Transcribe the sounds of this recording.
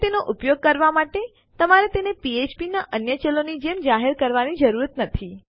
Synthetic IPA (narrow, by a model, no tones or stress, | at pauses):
t̪enoʔupjoɡ̚kəɾʋamaʈe | t̪əmaɾet̪enepiet͡ʃpinaʔənjət͡ʃelonid͡ʒemd͡ʒaɦeɾkəɾʋanid͡ʒəɾuɾət̪nət̪ʰi